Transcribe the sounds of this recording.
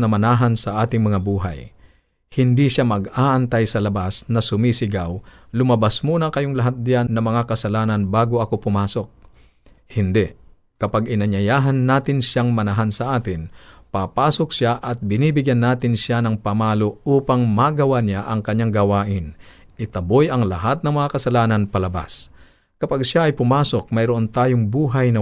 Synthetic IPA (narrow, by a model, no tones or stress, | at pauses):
nɐmɐnaːɦɐnsɐʔaːt̪ɪŋmɐŋabuːɦa̰j | hɪnd̪iʃjamɐɡaːʔɐnt̪ajsɐlɐbasnɐsʊmisɪɡaw | lʊmɐbasmuːnɐkɐjoŋlɐɦat̪̚d̪ɪjanːɐmɐŋakɐsɐlaːnɐnbaːɡoɐko̞pʊmaːsok̚ | hɪnd̪ɛʔ | kɐpaɡɪnɐɲɐjaːɦɐnːaːt̪ɪnʃaŋmɐnɐɦansɐʔaːt̪ɪnpaːpaːsok̚sjaʔɐt̪̚bɪniːbɪɡjanːaːt̪ɪnʃjanɐŋpɐmaːloʔuːpɐŋmaːɡɐwanjaʔɐŋkɐɲːaŋɡɐwaːʔɪn | ʔɪt̪ɐbojɐŋlɐɦat̪̚nɐŋmɐŋakɐsɐlaːnɐnpɐlɐba̰s | kɐpaɡʃjaʔɐjpʊmaːsok̚mɐjɾoʔont̪aːjoŋbuːɦɐjnɐ